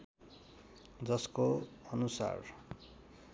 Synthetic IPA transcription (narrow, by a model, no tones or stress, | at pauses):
d͡zʌskoʌnusa̰r